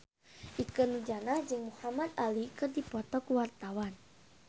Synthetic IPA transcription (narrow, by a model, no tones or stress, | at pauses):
ʔikɨnud͡ʒanad͡ʒɨŋmuhamad̪alikɨrdipɔt̪ɔkuwart̪awan